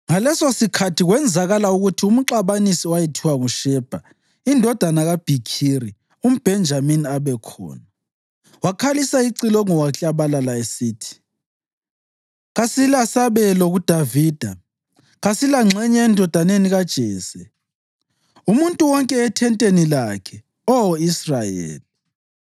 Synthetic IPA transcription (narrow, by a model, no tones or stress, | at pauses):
ŋalɛsosikʰatʰiɣwɛnd͡zʱaɣalauɣutʰium̩ǃaβanisiwajɛtʰiwaɣuʃɛːb̥ʱa | indʱɔd̥ʱanaɣab̥ʱikʰiɾi | um̩b̥ʱɛnd͡ʒʱaminiaβɛkʰɔ̰ːna | wakʰalisaiǀilɔŋɔwaɬʼaβalalaesiːtʰi̥ | ɣasilasaβɛlɔɣud̥ʱaviːd̥ʱa | ɣasilaŋ͡ǁʱɛɲɛːndʱɔd̥ʱaneniɣad̥ʒ̥ʱɛːsɛ | umuntʼuwɔŋkʼɛɛtʰɛntʼenilakʰɛ | ɔisrajḛːli